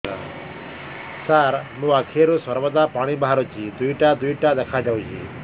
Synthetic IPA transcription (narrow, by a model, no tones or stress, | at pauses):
a̰ | saɾmũːakʰiɾuswɐɾbɔd̪aːpaːɽ̃ibaɦaɾot͡ʃid̪uiʈad̪uiʈad̪ɛkʰad͡ʒaut͡ʃḭ